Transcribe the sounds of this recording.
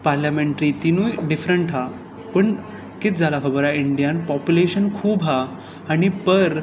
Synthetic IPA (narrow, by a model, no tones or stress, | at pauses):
paɾljameɳʈɾit̪inũːjɖifɾəɳʈɦa | pəɳ | kit̪d͡zalakʰəbəɾaiɳɖijanpɔpjuleɕənkʰuːbɦaː | ɽ̃ipəɾ